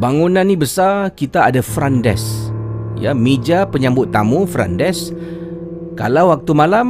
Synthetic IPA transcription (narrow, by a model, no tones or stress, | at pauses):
baŋunãnːĩbəsakit̪aːdafɾandɛ̰s | ja̰med͡ʒapəɲãmbʊt̪ːamufɾa̰ndɛs | ka̰lawwak̚t̪umalam